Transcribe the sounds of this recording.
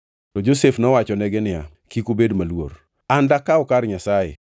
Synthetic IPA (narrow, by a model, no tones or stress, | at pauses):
tɔd͡ʒosefnɔwat͡ʃɔnɛɡɛnɪja̰ | kikubedmalwo̰r | andakaɔkaɾɲasajḛ